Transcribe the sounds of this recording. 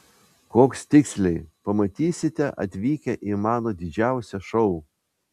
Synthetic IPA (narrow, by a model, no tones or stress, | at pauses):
koːkst̪ʲɪksʲlʲɛɪpɐmɐt̪ʲiːsʲɪt̪ʲɛʔɐ̰t̪ʲʋʲiːkʲɛʔɪmɑːnoːd̪ʲɪd͡ʒʲæˑʊsʲɛʃɔʊ